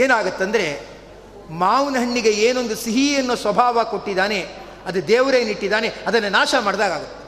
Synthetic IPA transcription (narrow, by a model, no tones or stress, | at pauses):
eːnaːɡɐt̪ːɐnd̪ɐɾe̞ | maːʋnɐɦɐɳːiɡe̞eːno̞nd̪usiɦiɐnːusʋɐbʱaːʋɐko̞ʈːid̪aːne̞ | ɐd̪ud̪ɛːʋɐɾeːniʈːid̪aːne̞ɐd̪ɐnːɐnaːʃɐmaːɽɐd̪aːɡaːɡɐt̪ːe̥